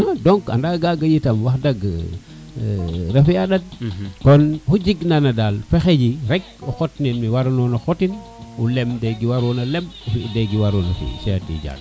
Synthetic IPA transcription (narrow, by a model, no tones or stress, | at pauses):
adɔŋka̰ndaɡaɡajitamwaxdaɡ | ɾefjaɗad̚kɔnhud͡ʒiɡnanadalfexed͡ʒiɾɛɡ̚ɔxotninmiwaɾunɔnaxotin | ulɛmdeɡiwaɾɔnalɛmfideɡiwaɾɔnafḭsɛatḭd͡ʒa̰ɡ̚